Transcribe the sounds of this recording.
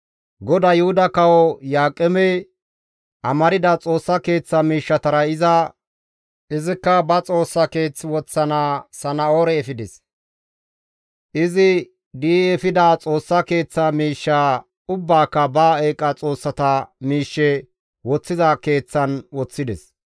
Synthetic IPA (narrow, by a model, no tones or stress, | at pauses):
ɡɔd̪ɐjʊhʊd̪ɐkɐwɔjaːkʼːɛmɛj | ʔɐmɐɾɪd̪ɐt͡sʼo̞ːsːɐke̞ːt͡sːɐmiːʃːɐt̪ɐɾɐɪzɐ | ʔɪzɪkːɐbɐt͡sʼo̞ːsːɐke̞ːt͡sːwɔt͡sːɐnaːsɐnɐoːɾɛɛfɪd̪ɛs | ʔɪzɪ | d̪iːɛfɪd̪aːt͡sʼo̞ːsːɐke̞ːt͡sːɐmiːʃːaː | ʊbːaːkːɐbaːeːkʼɐt͡sʼo̞ːsːɐt̪ɐmiːʃːɛ | wɔt͡sːɪzɐke̞ːt͡sːɐnwɔt͡sːɪd̪ɛs